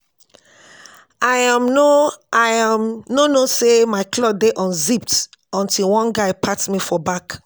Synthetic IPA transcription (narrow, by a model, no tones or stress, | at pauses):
ajamnoajamnonosemaɪklɔdeʔɔ̃nzip̚t | ɔ̃ntilwɔ̃nɡaɪpʰatmifɔbak